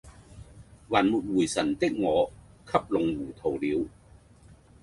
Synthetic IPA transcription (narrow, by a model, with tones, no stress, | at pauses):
waː˨˩nmuː˨t̚wuː˨˩jsɐ˨˩nt̪ɪ˥k̚ŋɔː˨˧kʰɐ˥p̚lʊ˨˥ŋwuː˨˩t̪ʰo˨˩wliː˨˧w